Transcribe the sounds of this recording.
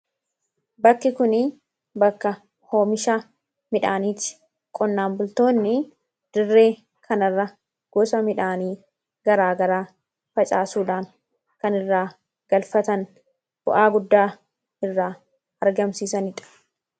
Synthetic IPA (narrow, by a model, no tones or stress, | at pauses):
bɐkːɪkʊnɪ | bɐkːɐ | ho̞ːmɪʃaː | mɪᶑaːniːt͡ʃ̪ːɪ̥ | kʼɔnːaːmbʊlt̪o̞ːnːɪ | d̪̥ɪrːe̞ː | kʰɐnɐrːɐ | ɡ̥ɔsɐmɪᶑaːniː | ɡ̥ɐɾaːɡɐɾaː | fɐt͡ʃʼa̰ːsuːᶑaːŋ | kɐnɪrːaː | ɡ̥ɐlfɐt̪ɐŋ | b̥ʊ̰ʔaːɡʊd̪ːaː | ɪrːaː | ɐɾɡɐmsiːsɐnɪᶑɐ̥